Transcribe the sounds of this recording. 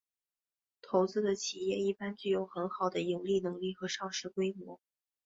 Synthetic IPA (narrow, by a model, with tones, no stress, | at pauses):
t̪ʰo˧˥ʊt͡sɹ̩˥d̪ə˨t͡ɕʰi˨˩jɛ˥˧i˥˩pa˥nt͡ɕy˥˩jo˧˩ʊxə˧˥nxɑ˨˩ʊd̪ə˦ji˨˩ŋli˥˩nɤ˧˥ŋli˥˩xɤ˧˥ʂɑ˥˧ŋʂɻ̩˥˩kwe˥ɪmwɔ˧˥